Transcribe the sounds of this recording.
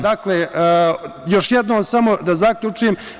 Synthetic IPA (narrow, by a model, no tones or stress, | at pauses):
d̪akleː | jo̞ʃjed̪noːmsamo̞d̪azakʎut͡ʂuem